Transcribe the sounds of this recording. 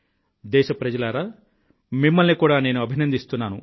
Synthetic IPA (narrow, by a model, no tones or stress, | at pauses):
d̪ɛːʃɐpɾɐd͡ʒɐlaːɾaː | mimːɐlnikuːɽaːne̞ːnuɐbʱinɐnd̪ist̪unːaːnu